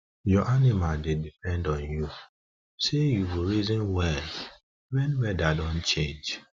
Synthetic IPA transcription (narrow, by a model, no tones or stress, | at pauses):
jɔʔanimaldedipɛ̃ndɔ̃nju | sejuwiɹizɔ̃nwɛl | wɛ̃nwɛdadɔ̃nt͡ʃẽnd͡ʒ